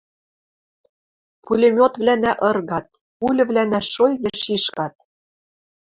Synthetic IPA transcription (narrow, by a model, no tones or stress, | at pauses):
pʰulʲĕmʲot̪vlænæʔɤ̆rɣɑt̪̚ | pulʲɘ̆vlænæʃojɣĕʃiʃkɑt̪̚